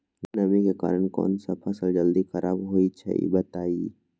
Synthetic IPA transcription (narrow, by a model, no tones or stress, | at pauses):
mɛnɐmikeka̰ːɾəɳ̃kɔ̰ːnsapʰəsəld͡ʒəld̪ixɐɾʔaːbɦoːit͡ʃʰɐ̰ḭbɐt̪aːi